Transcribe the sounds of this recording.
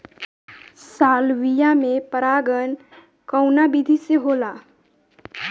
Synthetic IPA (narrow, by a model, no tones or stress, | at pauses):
saːlʋijamẽpəɾaːɡən | kəʊnabid̪ʱiseɦoːlaː